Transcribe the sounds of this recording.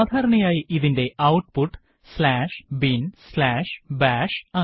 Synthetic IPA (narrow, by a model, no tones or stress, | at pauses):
aːd̪ʱaːɾɐɳɐjaːjiʔiðinde̞ʔɐwʈpuʈː | slaːʂbinslaːʂbaːʂa